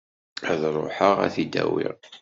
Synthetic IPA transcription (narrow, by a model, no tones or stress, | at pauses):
æðɾˤoħəʁæ̰θid̪æ̰wɪ̰ʁ